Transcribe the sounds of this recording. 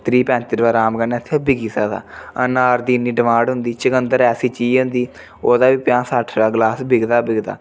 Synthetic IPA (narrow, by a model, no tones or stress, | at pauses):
t̪ɾiːpɛ̃ːnt̪ɪɾʋaːɾaːmɡənɛːt̪ʰːeobɪɡiːsaːd̪a̰ːənaːɾd̪iːnːiːɖɪmãːɖɦʊ̃nd̪iːt͡ʃəkə̃nd̪əɾɛːsiːt͡ʃiːɦʊ̃nd̪iː | oːd̪aːʋiːpjãːsaːʈʰɾaːɡlaːsbɪɡd̪aːbɪɡd̪a̰ː